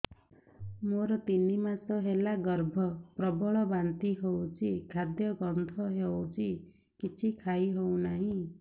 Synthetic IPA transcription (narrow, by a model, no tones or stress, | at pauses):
moɾʌt̪inimat͡sʌɦelaɡʌrbʱʌprʌbɔɭɔbant̪iɦowt͡sikʰad̪jʌɡʌnt̪ʰɔɦewt͡sʰi | kit͡sʰikʰajɦow̃naɦĩ